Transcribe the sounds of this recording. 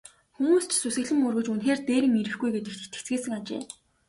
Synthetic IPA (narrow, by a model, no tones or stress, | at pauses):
xumuːst͡ɕʰsusɘ̆ɮɘ̆murɣɵ̆t͡ɕunxeːrt̪eːɾɘ̆ŋiɾɘ̆xɡujɡet̪ɘ̆k̪t̪ʰĕ̥t͡sɡeːsɘ̆ŋat͡ɕḛː